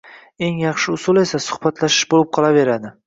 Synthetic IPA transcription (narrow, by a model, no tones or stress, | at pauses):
e̞ŋjɑχʃɪʊsʊle̞sasʊ̥χbat̪ʰlaʃɪʃbolɪp̚qʰɒlˠave̞ɾad̪ɪ